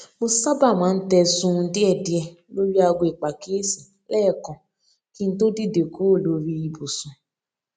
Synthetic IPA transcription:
mo˧sa˦ba˦˨mãː˨˦n̩˦tɛ˧sũ˧di˦ɛ˦˨di˦ɛ˧ | lo˦ɾi˦a˧ɡo˧i˨k͡pa˨keː˨˦si˨ | lɛ˦˨kɔ̃˨ | ki˦n̩˦to˦di˦˨de˨ko˨˦˨lo˧ɾi˧i˧bu˨sũ˨

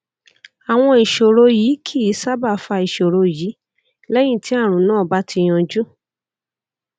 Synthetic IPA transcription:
a˨w̃ɔ̃˧i˨ʃo˨ɾo˧jiː˨˦kʰi˦˨i˨˦sa˦ba˦˨fa˧i˨ʃo˨ɾo˧jiː˨˦ | lɛ˦j̃ĩ˦˨ti˨˦a˦˨ɾ̃ũ˨˦nãː˦˨ba˦tʰi˧j̃ɔ̃˧d͡ʒu˦

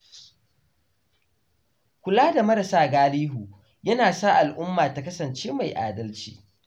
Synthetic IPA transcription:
kʷʊ˨laː˦da˨mɐ˦ɾɐ˨saː˦ɡaː˦liː˦ɦuː˨ | jɐ˦naː˨saː˦ʔa˨lʔʊ˦mːaː˨ta˨kɐ˦sɐ˨nt͡ʃeː˦ma˨jʔa̰ː˨dɐ˦lt͡ʃḭː˦

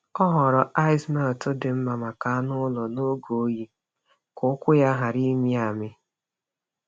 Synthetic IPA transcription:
ɔ˦ɦɔ˨ɾɔ˨ʔa˦ɪ˦smɛ˦˨ltʊ˦dɪ˨m̩˦ma˨ma˨ka˨˦nʊ˦lɔ˨no˦ɡo˨˦ji˦ | kʊ˦kʷʊ˦ja˦ɦa˨ɾi˦mi˦a˨mɪ˦

